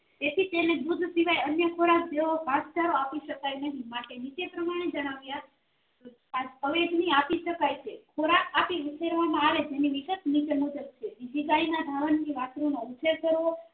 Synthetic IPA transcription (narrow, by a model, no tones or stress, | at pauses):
t̪et̪ʰit̪ened̪ud̪ʱsiʋajənjəkʰoɾasd͡ʒeʋobʱãst͡ʃaɾoapiʃəkajnəɦĩmaʈenit͡ʃepɾəmaɽ̃ed͡ʒəɽ̃aʋja | o | aəʋeɡniapiʃəkajt͡ʃʰekʰoɾakapiut͡ʃʰeɾʋamãaʋed͡ʒeniʋikət̪nit͡ʃemud͡ʒəb̚t͡ʃʰeʋid͡ʒiɡainad̪ʱaʋəntiʋatɾunout͡ʃʰeɾt̪ʰəɾo